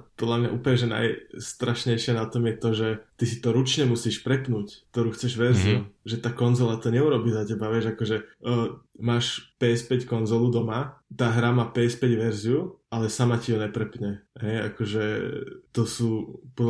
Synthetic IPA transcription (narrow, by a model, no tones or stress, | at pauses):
pɔd̪ʎʲamɲaʔuːplɲɛʒɛna̰jst̪ɾaʃɲɛɪʃɪɛnat̪ɔmjɛt̪ɔʒɛt̪isi̥t̪ɔɾut͡ʃɲɛmusiːʃpɾɛpnuːck̚t̪ɔɾuːxt͡sɛʒʋɛɾziuʒɛt̪aːkɔnzɔlat̪ɔɲɛuɾɔbiːzacɛbaʋjɛʒakɔʒɛəːmaːʃpɛspɛckɔnzɔlud̪ɔmat̪aːɦɾamaːpɛɛspɛɟʋɛɾziuʔalɛsamaciɦɔɲɛpɾɛpɲɛɦɛja̰kɔʒɛt̪ɔsuːpɔ